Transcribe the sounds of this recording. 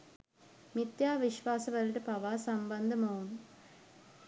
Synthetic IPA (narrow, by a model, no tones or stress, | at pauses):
mit̪jaːʋiʃʋaːsɐʋɐɾuʈɐpɐʋaːsɐmbɐnd̪ʱɐmoːn